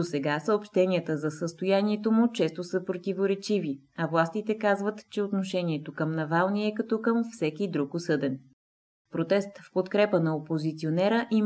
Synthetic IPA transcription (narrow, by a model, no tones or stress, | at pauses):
osɛɡasəopʃt̪ɛniət̪əzɐsəst̪ojaniɛt̪omʊt͡ʃɛst̪osəpɾot̪ivoɾɛt͡ʃivi | ɐvlˠast̪it̪ɛkazvət̪t͡ʃɛot̪noʃɛniɛt̪okəmnɐvalˠniɛkɐt̪ɔkəmfsɛkid̪ɾukʊsɤd̪ɛn | pɾot̪ɛst̪fpot̪kɾɛpənɐopozit̪sionɛɾəʔi